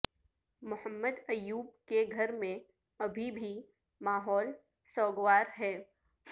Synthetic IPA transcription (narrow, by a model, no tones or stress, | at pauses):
mʊhəmːəd̪ɐjuːb̚keɡʱɐɾmẽ | ɐbʱibʱi | maːɦɔːl | sɔːɡʋaːɾɦɛː